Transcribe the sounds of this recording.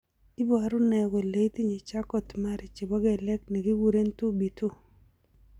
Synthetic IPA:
i˦bɔ˦˨a˨ɾʊ˦nɛ˨ɡo˨le˨˦i˦ti˦ɲe˨t͡ʃa˦kɔ˦tma˦ɾɪ˨t͡ʃe˨bɔ˦ɡe˦˨lɛ˦kne˨ɡi˦wu˦ɾe˦ntu˦bi˨tʰu˦

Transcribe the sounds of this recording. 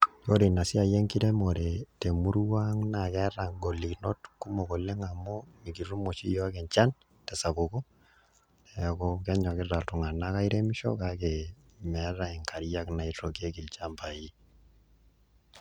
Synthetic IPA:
jo˦ɾi˨na˨si˦a˨je˦ŋki˦ɾe˦mo˨ɾɛ˨te˨mu˦ɾwa˦ŋna˨kɛ˦ɾa˨ŋɡɔ˨lːi˨knɔ̰˦tku˦mɔ˨kɔ˨lːɛ˦ŋa˨mːɔ˦ni˨ki˨ru˦mo˨t͡ʃḭ˦jɔ˦a˦kɛ˨ɲt͡ʃa˦n | tɛ˨sa˨bo˨kɔ˦˨ | a˨kɔkɛ˦ɲa˨kɪ˦ra˨ltu˨ŋa˨na˦ka˦i˦ɾe˦mi˦ʃɔ̰˦ka˦kɛ˨ | mɛ˨˦ɾa˦i˨ŋkʰa˨ɾja˦kna˨i˨to˨ke˦ki˨lt͡ʃa˦mpa˨ji˦

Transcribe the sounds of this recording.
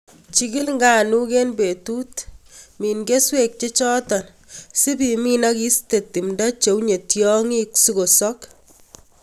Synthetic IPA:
t͡ʃi˦ɡi˦lŋɡa˨nu˦ke˦nbe˨tu˦tmiː˨nɡe˦swe˦k̚t͡ʃe˦t͡ʃɔ˦tɔ˨n | si˦bi˨mi˦na˦ki˦ste˨tːi˨mda˦t͡ʃe˨wɲe˨tjɔ˦ŋi˦ksu˦ko˨sɔ˦k

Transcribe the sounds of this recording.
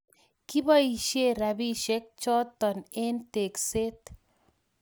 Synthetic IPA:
ki˦bɔ˦i˨ʃe˦˨ɾa˨bi˦ʃe˦k̚t͡ʃɔ˦t̪ɔ˨ne˦nte˨kse˦t̪

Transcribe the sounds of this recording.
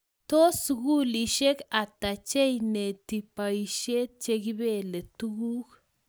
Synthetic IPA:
t̪o˦suɡu˦li˨ʃe˦ka˨t̪a˨t͡ʃe˦jne˨t̪i˨pa˨i˨ʃe˦t͡ʃe˦ɡi˦be˦le˨t̪u˦ɡu˦k

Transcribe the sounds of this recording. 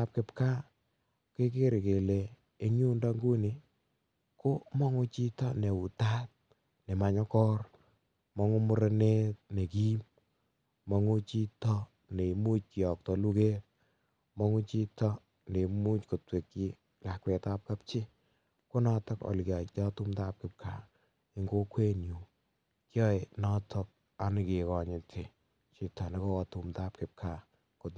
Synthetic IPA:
a˦p̚kɪ˨pka˦ | ke˦k̬e˦ɾɪ˨ke˨le˨ | e˦ɲu˦nda˦ŋɡu˦ni˨ | ko˦mɔ˦ŋu˦t͡ʃi˦tɔ˦ne˨u˨ta˦t̚ | ne˨ma˨ɲɔ˦kɔ˦r | mɔ˦ŋu˦mʊ˦ɾe˦ne˦t̚ne˨ki˦m | mɔ˨ŋu˦t͡ʃi˦tɔ˦ | ne˨mu˦t͡ʃ̚ki˨ɔ˨k̚tɔ˨lu˦ke˦t̚ | mɔ˦ŋu˦t͡ʃi˦tɔ˦ | ne˨mu˦t͡ʃko˨twe˨kːi˦ | la˨kwe˨ta˦p̚ka˦p̚t͡ʃɪ˦ | kʊ˦nɔ˦tɔ˦kɔ̰˨lkja˨t͡ʃɔ˦tu˦mta˦p̚kɪ˨p̚kʰa˨ | ɪ˦ŋɡo˦kwe˦nju˨ | kjɔ˦jnɔ˦tʰɔ˦k̚ | a˨nɪ˨kɪ˨kɔ˨ɲɪ˨tʰɪ˨ | t͡ʃɪ˨tɔ˨ne˦kɔ˦kɔ˨tu˨mta˦p̚kɪ˨p̚kʰa˨ | ko˨t

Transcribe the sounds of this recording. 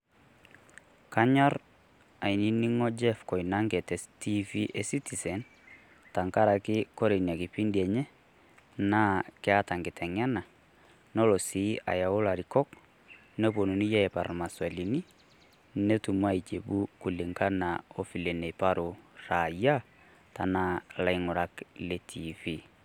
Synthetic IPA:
ka˦ɲa˦ɾ | a˨i˨ni˦ni˦ŋɔ˦d͡ʒɛ˦fkɔ˨ina˦ŋɡɛ˨tɛ˨sti˦fi˦ʔe˨si˦ti˨sɛ˨n | ta˨ŋka˦ɾa˨kɪ˦kɔ˦ɾe˨na˨kɪ˨pi˦ndiɛ˨ɲɛ˦ | na˦kɛ˦a˦ta˨ŋɡɪ˨tʰɛ˨ŋɛ˦na˨ | nɔ˦lɔ˨siː˨˦ʔa̰˨ja˨o˦la˨ɾi˨kɔ˦k | nɛ˦po˨nu˨ni˦ja˦ɛ˨pa˨ɾma˨swa˨li˨ni˦ | ne˦tu˨mwa˦i˨t͡ʃe˨ɓu˦ku˨lɪ˨ŋka˦na˨o˦fi˨le˨nɛ˨pa˦ɾo˨ɾa˨ja˦ | ta˨na˦la˨iŋʊ˨ɾa˨kle˨tʰi˨fi˦

